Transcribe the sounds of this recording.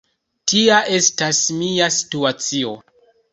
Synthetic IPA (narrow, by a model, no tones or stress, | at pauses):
tiaʔe̞stasmiasi̥tuat͡sio̞